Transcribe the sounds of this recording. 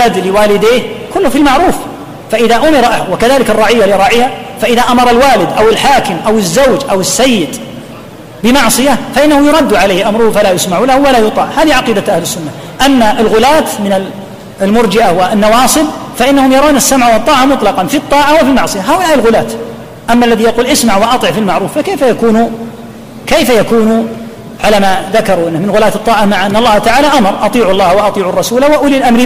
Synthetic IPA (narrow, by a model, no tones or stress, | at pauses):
aːd̪lɪwaːlɪd̪eːhkʊlːhʊfilmaʕɾuːf | faʔɪðaʔʊmɪɾaʔwɪkaðaːlɪkɨrˤːɑʕɪjːalɪɾˤɑːʕɪːhafaʔɪðaʔamɑɾˤɑlwaːlɪd̪ʔawɪlħaːkɪmʔawɪzːawd͡ʒʔawɪsːajːɪd̪ | bɪmɑʕsˤɨjafaʔɪnːahʊjʊɾˤɑd̪ːuʕaleːhʔamɾˤʊhufalajʊsmaʕuːlahʊwalajʊt̪ˤɑ̰ːʕhaːðiʕɑqiːd̪aʔahlɪsːʊnːa | ʔanːaʔɪlɣʊlaːt̪mɪnɪ | lmʊɾd͡ʒɪʔawanːɑwɑːsˤɨbfaʔɪnːahʊmjɑɾˤaːnasːamʕawt̪ˤːɑːʕamʊt̪ˤlɑqɑnfit̪ˤːɑːʕawɪfilmɑʕsˤɨjaɦaːʔʊlaːʔɪlɣʊlaːt̪ | ʔamːaʔlːaðijaquːlʔɪsmaʕwɪʔɑt̪ˤɨʕfilmaʕɾuːfːakeːfajakuːnu | kejfajakuːnu | ʕalamaðakɑɾˤuʔɪnːɪhmɪnɣʊlaːt̪ɨt̪ˤːɑːʕɑmaʕʔanːɑlˤːɑːht̪aʕaːlaʔamɾˤʔɑt̪ˤiːʕʊlˤːɑːhwɑʔɑt̪ˤiːʕʊrˤːɑsuːlawaʔʊlilʔamɾi